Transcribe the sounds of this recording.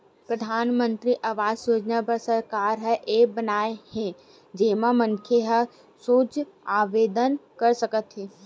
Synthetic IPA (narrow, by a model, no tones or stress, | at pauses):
pɾəd̪ʱaːnmə̃nt̪ɾiʔɐʋaːd͡ʒsoːd͡ʒnapəɾsəɾkaːɾɦɛʔeːbənaːehẽ | d͡ʒeːmãmənkʰeɦə | soːt͡ʃ | aːʋeːd̪ənkɐɾsəkət̪ɦiː